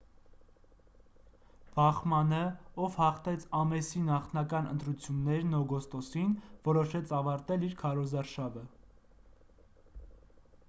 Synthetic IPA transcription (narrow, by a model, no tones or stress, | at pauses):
b̥ɑχmɑnəɔvhɑχt̪ɛt͡sʰɑmɛsinɑχt̪ʰnɑkɑnə̰nt̪ɾut͡sʰjunːɛɾnɔɡɔst̪ɔsinvɔɾɔʃɛt͡sʰɑvɑɾt̪ɛliɾkʰɑɾɔzɑɾʃɑvə